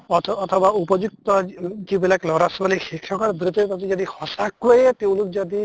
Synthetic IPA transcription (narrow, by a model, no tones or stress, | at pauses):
ɔt̪ʰːt̪ʰɔbaupɔd͡ʒuk̚t̪ɔkibelaklɔɾasbalixikʰɔkɔɾbɾit̪ɔpasid͡ʒɔd̪ixɔsakːojet̪ew̃luk̚d͡ʒɔd̪i